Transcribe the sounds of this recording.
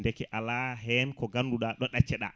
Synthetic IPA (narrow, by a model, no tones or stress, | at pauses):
ndɛkɛʔalaɦɛnkɔɡanduɗaɗɔɗat͡ʃːɛɗa̰